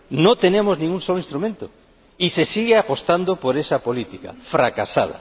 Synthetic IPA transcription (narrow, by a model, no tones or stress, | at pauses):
nõt̪enemoznĩŋuŋsoloĩnst̪ɾumẽnt̪o | isesiɣeapost̪and̪opoɾesɐpolit̪ika̰fɾakasaðɐ̰